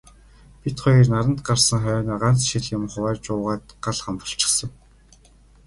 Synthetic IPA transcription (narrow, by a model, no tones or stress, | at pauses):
pʲit̪χɔjĭrnaɾə̆nt̪ɢarsə̆ŋχœːnaːɢan̥t͡sʃiɮjʊmχʊwæːrt͡ɕʊːʁaːt̪ɢaɮχampə̆ɬt͡ɕɪ̥̆χsə̆ŋ